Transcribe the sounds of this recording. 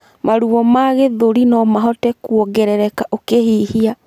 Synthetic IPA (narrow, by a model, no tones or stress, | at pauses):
maɾuβɔmaɣeðoɾinɔmaɦɔtɛkwɔɡɛɾɛɾɛkaʔokehihia